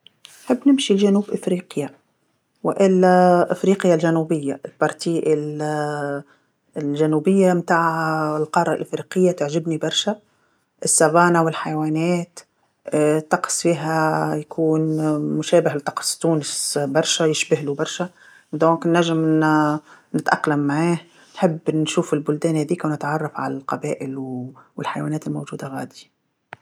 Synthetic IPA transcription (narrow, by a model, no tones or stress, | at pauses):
nħɪbːnɪmʃilʒænuːbʔɪfɾiːqja | wɪʔɪlːʔɪfɾiːqjalʒænubɪjːaʔɪlbɑɾˤt̪iʔɪl | lʒænubɪjːamt̪aːʕɪlqɑːɾˤɑ̰lʔɪfɾiqɪjːat̪aʕʒɪbnibɑɾˤʃa | ʔɪsːabɑːnawɪlħajwæːnɛːt̪ː | t̪ːɑqsfiːɦajakʰuːnmʊʃæːbɪhlɪt̪ˤɑ̥qsˤt̪uːnɪsbɑɾˤʃajɪʃbɪhlubɑɾˤʃa | d̪õːŋknːæʒɪm | nɪt̪ʔaqlamːaʕaːh | nħɪbːnʃuːfɪlbʊld̪æːnhæðiːkawnɪt̪ʕɑrˤːɑfʕa̰lalqɑbæːʔɪlwɪlħajwæːnɛːt̪ɪlmowʒuːd̪aɣa̰ːd̪i